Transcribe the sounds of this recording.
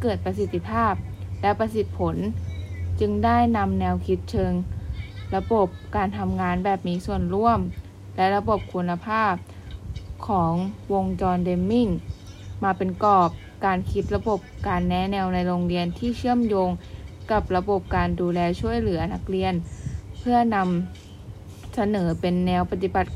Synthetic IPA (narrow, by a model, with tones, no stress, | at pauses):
kɤː˨˩t̪̚pa˧si˨˩t̪ːi˧pʰaː˥˩p̚lɛ˦˥pa˧si˨˩t̪̚pʰo˩˦n | t͡ɕɯ˧ŋdaː˥˩jna˧mnɛː˧wkʰi˦˥t̪̚t͡ɕʰɤ˧ŋla˧bo˨˩p̚kaː˧nt̪ʰa˧mŋaː˧nbɛː˨˩p̚miː˧˥su˨˩ənɾu˥˩əm | lɛ˦˥ʔɾa˧bo˨˩p̚kʰu˧nːa˧pʰaː˥˩p̚ | kʰɔː˩˦ŋwo˧ŋt͡ɕɔː˧nde˧mːi˥˩ŋmaː˧pe˧nkɔː˨˩p̚ | kaː˧nkʰi˦˥t̪̚ɾa˧bo˨˩p̚kaː˧nːɛ˦˥nɛː˧wna˧jɾoː˧ŋɾi˧ənt̪ʰiː˥˩t͡ɕʰɯ˥˩əmjoː˧ŋka˨˩p̚ɾa˧bo˨˩p̚kaː˧nduː˧lɛː˧t͡ɕʰu˥˩əjlɯ˩˦ɐna˦˥k̚li˧ənpʰɯ˥˩ɐna˧m | sa˧nɤː˩˦pe˧nːɛː˧˥wpa˧t̪i˨˩ba˨˩t̪̚